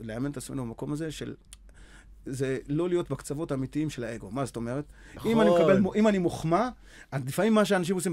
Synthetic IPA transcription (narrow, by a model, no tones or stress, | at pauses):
leamenet̪at͡sme̞nubemako̞maze̞ʃe̞̰l | zelo̞lijo̞tbekt͡savo̞tamitiimʃe̞lae̞ɡo̞mazoto̞me̞ʁet̪ | imanimkabelmʔimanimoχma | azlifamimːaʃ̬eanaʃ̬imos̬im